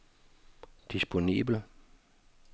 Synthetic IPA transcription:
d̥isb̥o̝nḭːb̥l̩

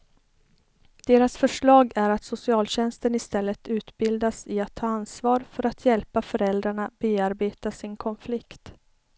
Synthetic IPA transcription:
d̪̥eːɾasfœʂɭɑːɡæɾat̪sʊsɪɑːlɕɛnst̪ənɪst̪ɛlːət̪ʰʉ̟ːt̪bɪld̪asɪat̪ʰːɑːansvɑːɾfœɾat̪ʰjɛlpafœɾɛld̪ɾaɳabeːaɾbeːt̪asɪnkʰɔnflɪkt̪

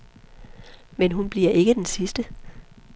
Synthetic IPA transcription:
menɦunb̥liɐʔe̝ɡ̥əd̥ensisd̥ə

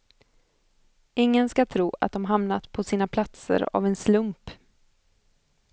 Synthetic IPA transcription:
ɪŋːənskat̪ʰɾuːa̰t̪̚d̪ɔmɦamnat̪pʰɔsiːnapʰlat̪sə̰ɾa̰vɛnslɵmp

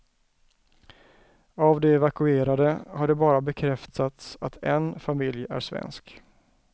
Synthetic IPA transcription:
avd̪ɛɛvakɵeːɾad̪əhaɖɛbɑːɾabɛkʰɾɛft̪ʰat̪sat̪ʰɛnfamɪljæ̰ɾʂvɛ̰nsk

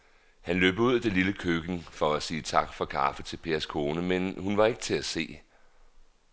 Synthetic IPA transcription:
hænløːb̥əuð̞̰ˠd̥e̝liləkʰøɡ̥n̩fɒ̽æsiːt͡sʰɑ̈ɡ̥fɒ̽kʰɑ̰̈ːfət͡sʰe̝lpʰe̝ːɐskʰo̝ːnəmenhunʋɑ̈e̝ɡ̥ət͡sʰe̝æse̝̰ː

